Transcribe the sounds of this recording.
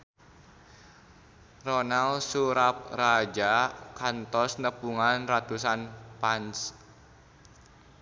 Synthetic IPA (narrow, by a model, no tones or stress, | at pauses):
rɔnalsuɾap̚rad͡ʒakant̪ɔsnəpuŋanrat̪usanpans